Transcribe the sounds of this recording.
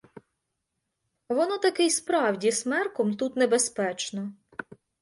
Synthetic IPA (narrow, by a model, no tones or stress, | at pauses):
ʋɔnɔt̪ɐkɪjspɾɑwdʲismɛrkɔmt̪ut̪nebespɛt͡ʃnɔ